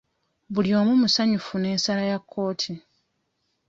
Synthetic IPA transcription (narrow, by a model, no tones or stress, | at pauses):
βuljo̞ːmumusaɲufune̞ːnsalajakʰːo̞ːtʰi